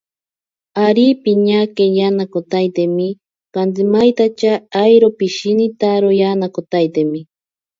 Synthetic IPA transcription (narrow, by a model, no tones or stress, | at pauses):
aɾipiɲakejanakot̪ajt̪emi | kant̪imajt̪at͡ʃaːjɾopiʃinit̪aɾojanakot̪ajt̪emi